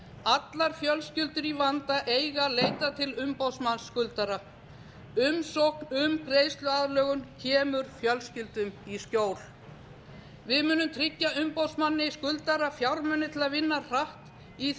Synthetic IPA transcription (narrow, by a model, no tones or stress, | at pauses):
at̪laɾfjœlscʏlt̪ʏɾivant̪aʔejɣaleːjt̪at̪ʰɪlʏmpowsmansːkʏlt̪aɾa | ʏmsowhknʏmkɾeːjst̪lʏaðlœːɣʏmcʰɛːmʏɾ̥fjœlscʏlt̪ʏmiscoːwl | vɪðmʏːnʏmt̪ʰɾɪcːaʏmpowsmanːɪiskʏlt̪aɾafjawɾmœnːɪt̪ʰɪlaðvɪnːar̥aht̪ | i